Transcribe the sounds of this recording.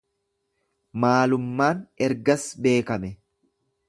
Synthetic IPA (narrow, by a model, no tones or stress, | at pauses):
maːlʊmːaːnɛɾɡɐsbe̞ːkɐmɛ